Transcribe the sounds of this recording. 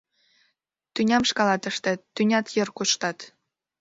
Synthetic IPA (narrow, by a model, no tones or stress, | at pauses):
t̪ynʲɑmʃkɑlɑt̪ə̆ʃt̪ĕt̪ːynʲɑt̪jɤrkuʃt̪ɑt̪